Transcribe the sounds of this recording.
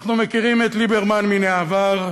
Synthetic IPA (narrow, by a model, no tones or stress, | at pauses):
χnumekiʁimet̪libeʁmanmineavaʁ